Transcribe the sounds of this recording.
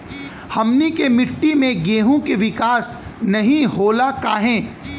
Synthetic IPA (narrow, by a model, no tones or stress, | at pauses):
hɐmnikemɪʈːimẽɡeːɦõkeʋɪkaːsnɐɦĩɦoːlakaːɦɛ̃ː